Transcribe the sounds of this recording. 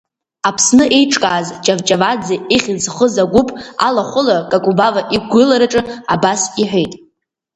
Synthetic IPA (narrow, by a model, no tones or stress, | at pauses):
apʰsnɨʔe̞jʈ͡ʂʼkʼaːzd͡ʒʼavt͡ʃʼavad͡zeeχʲɪd͡zχəzaɡʷʊpʼa̰laχʷʊlakʼakʼubavaʔiɡʷɨlaɾaʈ͡ʂʼɨabasiħʷᶣejtʼ